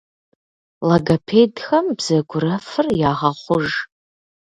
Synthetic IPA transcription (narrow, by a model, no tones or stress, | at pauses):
lɐɡɐpʰeːdxɐmbz̥ɐɡʷʊɾɐfɨrjaːʁɐχʷʊʒ